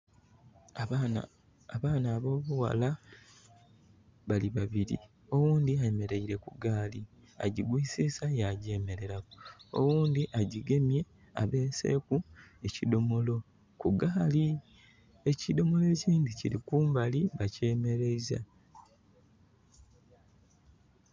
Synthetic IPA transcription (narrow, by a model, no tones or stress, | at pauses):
aː | βaːnaːβo̞ːβuwa̰la | βaliβaβiɾḭ | o̞wuːnd̪iaeme̞ɾeiɾe̞kuɡaːli | a̰ɟiɡwiːsisajaɟe̞ːme̞ɾe̞ɾakoo̰wuːnd̪iʔaɟiɡe̞mje̞ | a̰βe̞ːse̞̰ːkue̞cido̞mo̞lo̞ | kuɡaːli | e̞cido̞mo̞le̞ːciːnd̪iciɾikuːmbaliβace̞ːme̞ɾe̞iza̰